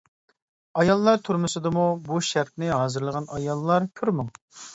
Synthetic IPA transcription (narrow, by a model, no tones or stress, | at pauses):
ɑjɑlˠːɑɾt̪ʰuɾmʊsɨd̪ɨmubuʃæɾp̚nɪɦɑːzɨɾlˠəʁɑnɑjɑlˠːɑɾkʲʰyɾmu